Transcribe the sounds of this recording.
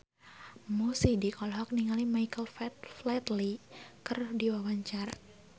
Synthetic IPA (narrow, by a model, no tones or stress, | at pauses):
musidikɔlɦɔk̚niŋalimajkəlfɛt̪flɛt̪likərdiwawaɲt͡ʃaɾa